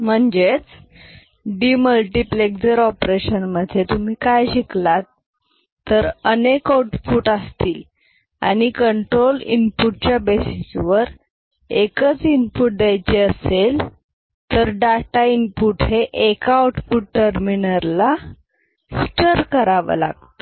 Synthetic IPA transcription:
m̤əɳd͡ʑet͡s | ɖiməlʈiplekd͡zəɾɔpɾeɕənməd̪ʱːjet̪um̤iːkajɕiklat̪ː | əɾənekawʈfuːʈast̪iːl | a̰ñikəɳʈɾolḭnpuʈ̚t͡ɕjabesisʋəɾ | ekət͡sinpuːʈ̚d̪ɛjt͡ɕeəsel | t̪əɾɖaʈainpuʈɦeʔekaawʈfuːʈʈəɾminəɾla | sʈəɾkəɾaʋə̰la̰ɡ̚t̪o̥

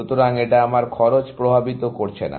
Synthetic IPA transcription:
ut̪oɾaŋeʈaamaɾkʰɔɾot͡ɕpɾobʱabit̪okoɾt͡ɕʰena̰

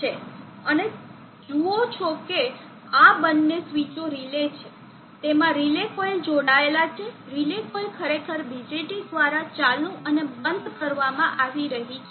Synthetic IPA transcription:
t͡ʃʰe | əne | d͡ʒuot͡ʃʰoke | abənːesʋit͡ʃoɾilet͡ʃʰe | t̪emãɾilekojld͡ʒoɽ̃aelat͡ʃʰeɾilekoilkʰəɾekʰəɾbid͡ʒeʈid̪ʋaɾat͡ʃalnũʔənebənd̪kəɾʋamãʔaʋiɾəɦit͡ʃʰe

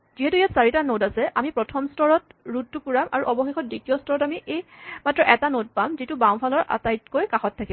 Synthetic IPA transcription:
ziɦɛtujatsaɹitanodasɛʔamipɹɔtʰɔmstʰɔɹɔtɹuttːukuɹama̰ɹuʔɔbɔxexɔt̚ditijɔstʰɔɹɔtamiʔejmatɹɔʔɛtanod̚pamzitʊbãw̃pʰalɔɹʔa̰tajtkojkaxɔtʰːakib

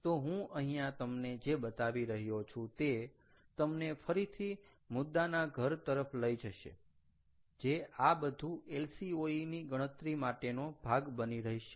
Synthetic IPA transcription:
t̪oɦũʔəɦĩjãt̪əmned͡ʒebət̪aʋiɾəɦjot͡ʃʰũt̪e | t̪əmnefəɾit̪ʰi | mʊd̪ːanaɡʱəɾt̪əɾəpʰləid͡ʒəʃḛ | d͡ʒeabəd̪ʱũelsioiniɡə̃ət̪ɾimaʈenobʱaɡbəniɾəɦiʃe

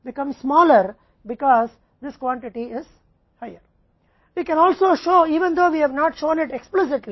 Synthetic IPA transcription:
bɪkʌ̃mssmɔːləɾ | bɪkɔːz | d̪ɪskwɔ̃ɳʈɪʈiɪz̥ | haɪəɾ | ʋiːkɛ̃nɔːlsoːʃoːiːʋə̃nd̪oːʋiːhɛʋnɔːʈʃõːnɪʈeksplɪs̬ɪʈli

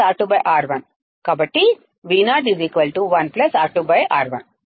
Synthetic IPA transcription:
aːɾʈubɐjʔaːɾʋɐn | kaːbɐʈːi | ʋiːnaːɖiziːkʋɐlʈuʋɐnplɐsaːɾʈubɐjʔaːɾʋɐn

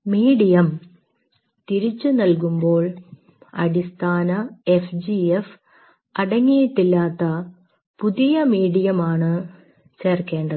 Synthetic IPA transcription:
miːɽijɐm | t̪iɾit͡ɕːunɐlk̬umbo̞ːɭ | ɐ̰ɽist̪ʰaːnɐefd͡ʑief | ɐɽɐŋːijiʈ̪ːilːaːt̪ːɐ | puðijɐmiːɽijɐmaːɳɨ | t͡ɕe̞ːrke̞ːɳɖɐ

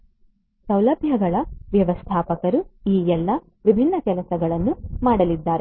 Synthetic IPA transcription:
sɐwlɐbʱjɐɡɐɭɐʋjɐʋɐst̪ʰaːpɐkɐɾuiːɛlːɐ | ʋibʱinːɐkɛlɐsɐɡɐɭɐnːumaːɽɐlid̪ːaːɾe

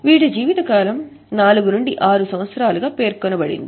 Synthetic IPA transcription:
ʋiːɽud͡ʒiːʋit̪ɐkaːlɐm | naːluɡunuɳɖiʔaːɾusɐmʋɐt̪sɐɾaːluɡaːpe̞ːɾkɔnɐbɐɽḭnd̪i

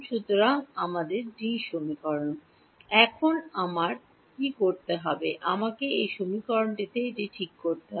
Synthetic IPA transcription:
ʃut̪ːoɾaŋamad̪eɾd͡ʒiʃomikɔɾon | ɛkʰonamaɾ | kikoɾt̪eɦɔbeʔamakeejʃomikɔɾonɖit̪ed͡ʑiʈʰikːoɾt̪eɦɔ

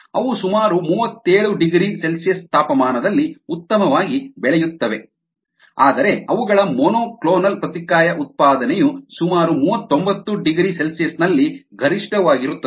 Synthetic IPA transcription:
ɐ̰ʋusumaːɾumuːʋɐt̪ːe̞ːɭuɖiɡɾise̞lsijɐst̪aːpɐmaːnɐd̪ɐlːiut̪ːɐmɐʋaːɡibɛɭɛjut̪ːɐʋe̞ | aːd̪ɐɾe̞ɐʋuɡɐɭɐmonoːkɭoːnɐlpɾɐt̪ikaːjɐʔut̪̚paːd̪ɐnɛjusumaːɾumuːʋɐt̪ːombɐt̪ːuɖiɡɾise̞lsijɐsnɐlːiɡʱɐɾiʂʈɐʋaːɡiɾut̪ːɐ

